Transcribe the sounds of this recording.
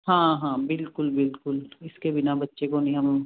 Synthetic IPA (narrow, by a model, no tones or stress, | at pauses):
ɦãːɦãːbɪlkʊlbɪlkʊlɪskebɪnabɐtːʃekonɐɦĩɦɐm